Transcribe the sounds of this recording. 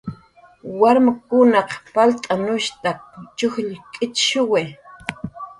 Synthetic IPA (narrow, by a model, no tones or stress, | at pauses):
waɾmakʊnɑqpalt̪ʼanʊʃt̪akt͡ʃʊxʎkʼɪt͡ʃʃʊwe